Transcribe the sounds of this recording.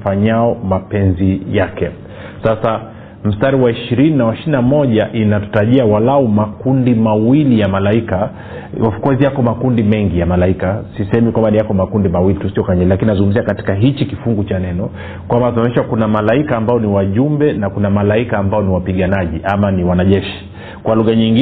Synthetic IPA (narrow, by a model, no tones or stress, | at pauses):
faɲaɔmapɛnzijakɛ | sasa | m̩staɾiwaiʃiɾininawaʃiinamɔʄaʔinatu̥taʄiawalaumakundimawilijamalaika | afkɔzijakɔmakundimɛŋɡijamalaikasisɛhɛmikwambanijakɔmakundimawilitusiɔkaɲɛlilakininazuŋɡumziakati̥kaɦit͡ʃikifuŋɡut͡ʃanɛnɔ | kwambatuamɛʃwakunamalaikaːmbaɔniwaʄumbɛnakunamalaikaːmbaɔniwapiɠanaʄiʔamaniwanaʄɛʃi̥ | kwaluɣaɲiŋɡi